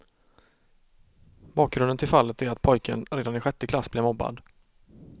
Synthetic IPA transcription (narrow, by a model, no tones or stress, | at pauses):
bɑːk̚ɡɾɵnd̪ənt̪ɪlfalːət̪æɾat̪pʰɔjkʰə̰nɾeːd̪anɪɧɛt̪ːəkʰlasːblɛvmɔbːa̰d̪